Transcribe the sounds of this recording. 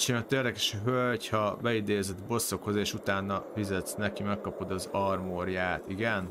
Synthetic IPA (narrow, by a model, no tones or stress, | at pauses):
t͡ʃimot̪ːeːrd̪ɛkɛʃɒɦølochɒbɛid̪eːzɛd̪bo̞sːo̞kho̞zeːʃut̪aːnːɒfizɛt̪snɛkimɛkːɒpo̞d̪ɒzɒrmoɾjaːt̪iɡɛn